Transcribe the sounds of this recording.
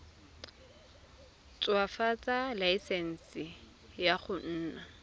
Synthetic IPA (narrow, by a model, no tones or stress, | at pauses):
t͡sʼwafat͡sʼalaisɛn̩sɪ | jaχʊn̩ːna